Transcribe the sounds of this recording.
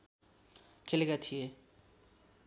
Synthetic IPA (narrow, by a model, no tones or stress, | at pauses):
kʰelekat̪ʰije